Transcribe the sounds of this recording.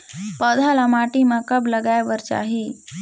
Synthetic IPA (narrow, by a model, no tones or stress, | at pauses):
pəd̪ʱalamaʈimakəbləɡajʋəɾt͡ʃa̰ɦi